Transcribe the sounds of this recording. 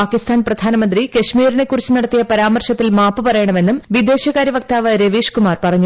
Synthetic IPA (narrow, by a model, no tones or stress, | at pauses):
aːkist̪ʰaːnprɐd̪ʱaːnɐmɐnd̪rikɐɕmiːɾine̞kːurit͡ɕːunɐɽɐt̪ːijɐpɐɾaːmɐrɕɐt̪ːilmaːpːɨpɐrɐjɐɳɐme̞nːumʋid̪e̞ːɕɐɣaːɾjiʋɐk̚t̪aːʋɐɾeʋiːʂkumaːrpɐrɐɲːu